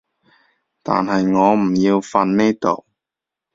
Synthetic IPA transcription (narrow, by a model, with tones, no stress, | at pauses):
t̪a̰ː˨nɦɐ˨jŋɔː˨˧m̩˨˩jiː˧wfɐ˧nniː˥t̪o̰˨w